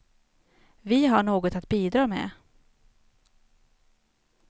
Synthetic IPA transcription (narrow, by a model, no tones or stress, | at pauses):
vɪɦaɳoːɡɔt̪at̪biːd̪ɾɑːmḛː